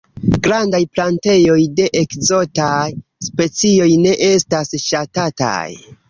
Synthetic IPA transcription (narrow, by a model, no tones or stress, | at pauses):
ɡɾandajplante̞jo̞jde̞ʔekzo̞tajspe̞t͡sio̞jne̞ʔe̞stasʃatata̰j